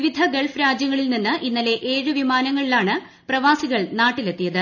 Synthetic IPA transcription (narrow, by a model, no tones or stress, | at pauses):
ʋid̪ʱɐɡeɭfɾaːd͡ʑjɐŋːɐɭilninːɨʔinːɐle̞ʔeːɻɨʋimaːnɐŋːɐɭilaːɳɨ | prɐʋaːsiɣɐɭnaːʈːile̞t̪ːijɐðɨ